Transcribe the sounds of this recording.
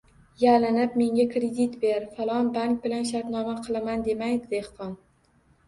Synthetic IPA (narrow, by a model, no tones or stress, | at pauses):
jalɪnɪp̚me̞ŋʲakɾed̪it̪be̞ɾfalˠɒnbaŋk̚bɪlanʃ̬aɾt̪nɒmaqʰɨlˠamand̪e̞majd̪ɪd̪ehqɒn